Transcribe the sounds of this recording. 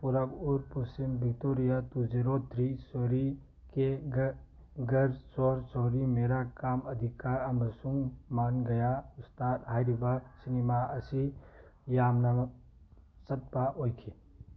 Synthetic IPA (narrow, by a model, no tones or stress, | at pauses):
puɾabuɾpusimbɪkt̪oːɾijat̪ud͡ʒeɾoːt̪ɾisoːɾi | ke | ɡɐɾsoːɾsoːɾimeːɾakaːmɐd̪ʱɪkaːɾɐmsumːaːnɡɐjaʊst̪aːt̪ɦaːjɾibaːsinimaɐsijaːmnɐ | sɐt̪̚paʔoːjkʰi